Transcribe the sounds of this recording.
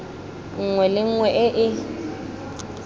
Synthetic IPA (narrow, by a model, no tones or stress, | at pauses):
ŋ̩ŋwɛlɪŋ̩ŋwɛʔɪʔɪ